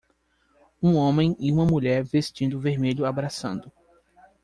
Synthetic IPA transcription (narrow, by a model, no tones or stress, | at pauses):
ũõmẽj̃ɪũmɐmuʎɛɾvest͡ʃĩnd̪ʊveɾmeʎʊabɾasɐ̰̃nd̪ʊ